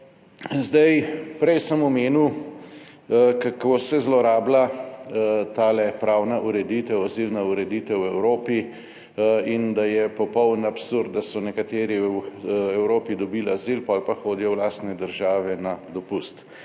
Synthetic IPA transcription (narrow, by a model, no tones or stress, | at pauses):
zd̪ɐjpɾɛjsəmɔmeːni | kakoːsɛzlɔɾaːbla | t̪aːlɛpɾaːwnaʔuɾɛd̪iːt̪ɛwazilnauɾɛd̪it̪ɛwɛwɾoːpi | ind̪ajɛpɔpɔwnapsuɾd̪d̪asɔnɛkat̪eːɾiwɛwɾoːpid̪ɔbiːlazilpɔːlpaxoːd̪ijɔwlaːst̪nɛd̪əɾʒaːʋɛnad̪ɔpust̪